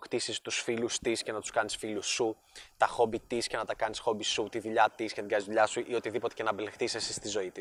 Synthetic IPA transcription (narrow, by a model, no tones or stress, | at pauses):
xt̪isist̪usfilust̪isce̞nɐt̪u̥skɐnisfilusu | t̪ɐxo̞bit̪iscenɐt̪ɐkɐnisxo̞bisut̪iðuʎɐt̪iscenɐt̪iɡɐnizðuʎɐsuʔio̞t̪iðipo̞t̪e̞ce̞nɐbelext̪θisesist̪izo̞it̪is